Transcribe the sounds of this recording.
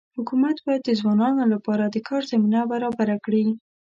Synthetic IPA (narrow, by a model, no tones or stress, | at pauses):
hʊkumat̪bɑjad̪̚d̪ːəzwɑnɑnolapɑɾad̪əkɑɾzaminabaɾɑbaɾakɽi